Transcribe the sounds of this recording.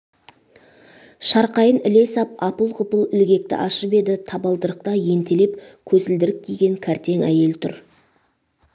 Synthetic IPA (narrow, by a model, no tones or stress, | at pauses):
ʃɑɾqɑjənɪle̞sɑp̚ɑpəlˠqʰʊpəlˠɪlɡʲe̞k̚t̪ɪ̰ʔɑʃəpe̞d̪ɪt̪ʰɑbɑlˠd̪əɾəqt̪ɑje̞nt̪ele̞pkʲʰɵzɪld̪ɪɾɪp̚k̪ʲʰijɡʲe̞ŋkʲʰæɾt̪e̞ŋæ̰je̞lt̪ʰʊ̰ɾ